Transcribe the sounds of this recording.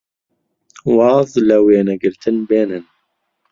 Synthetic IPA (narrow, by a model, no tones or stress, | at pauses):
wɑːzləweːnɛɡɨɾt̪ʰɨnbeːnɨn